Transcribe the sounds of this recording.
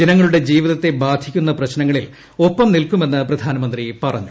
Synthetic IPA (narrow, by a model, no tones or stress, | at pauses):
d͡ʑɐnɐŋːɐɭuɽe̞d͡ʑiːʋiðɐt̪ːe̞baːd̪ʱikʲːun̪ːɐprɐɕnɐŋːɐɭil | o̞pːɐmnilkume̞nːɨprɐd̪ʱaːnɐmɐnd̪ripɐrɐ̰ɲːu